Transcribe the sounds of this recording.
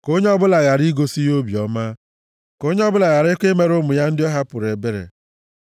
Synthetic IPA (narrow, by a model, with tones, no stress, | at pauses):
ko˦ɲe˦ɔ˦bʊ˦la˨ɣa˨ɾi˦ɡo˦si˦jo˦bi˨ɔ˨˦ma˦ | ko˦ɲe˦ɔ˦bʊ˦la˨ɣa˨ɾe˦kʷe˦me˨ɾo˦mʊ˨ja˦n̩˦dɪ˦ɔ˦ɦa˦pʊ˨ɾe˨be˦ɾḛ˨